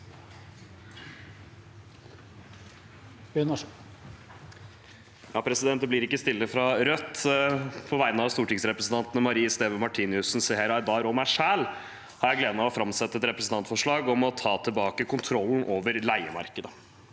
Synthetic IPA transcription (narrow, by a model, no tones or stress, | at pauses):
n | jɑːpʰɾɛsɪd̪ɛnt̪blɪɾɪkːəst̪ɪlːəfɾɑɾœt̪ː | pʰɔʋæɪnəɑʋst̪uːʈɪŋsɾɛpɾəsn̩t̪ɑnt̪nəmɑɾiːəst̪eːʋɔmɑʈʰiːnɪʉsn̩sɛheːɾɑɾd̪ɑːɾɔmæʂæːl | hɑɾjæɪɡleːd̪əmɛɔfɾɑmsɛt̪ːəɛt̪ɾɛpɾəsn̩t̪ɑnt̪fɔʂɭɑːɡɔmɔt̪ʰɑːt̪ʰɪbɑːkəkʰʊnt̪ʰɾɔln̩ʔoːʋəɾlæɪəmɑ̰ɾkəd̪ə